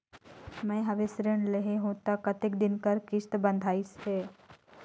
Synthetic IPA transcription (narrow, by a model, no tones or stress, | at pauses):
mɛ̃ːɦɐʋesɾəɳleɦeɦõːt̪akɐt̪ɪk̚d̪ɪnkəɾkɪʃt̪bə̃nd̪ʱaːɪsɦɛː